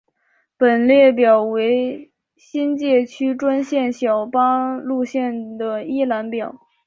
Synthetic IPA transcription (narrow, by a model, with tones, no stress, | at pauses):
pə˨˩nljɛ˥˩p̬jɑ˨˩ʊwe˧˥ɪ | ɕi˥nt͡ɕjɛ˥˩t͡ɕʰy˥ʈ͡ʂwa˥nɕjɛ˥˩nɕjɑ˨˩ʊpa˥lu˥˧ɕjɛ˥˩nd̪ə˩i˥la˧˥npjɑ˨˩˦ʊ